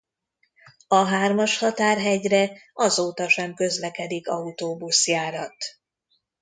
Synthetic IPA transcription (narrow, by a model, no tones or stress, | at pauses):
ɒɦaːrmɒʃhɒt̪aːrɦɛɟrɛɒzoːt̪ɒʃɛmkø̞zlɛkɛd̪ikɒut̪oːbusjaːɾɒt̪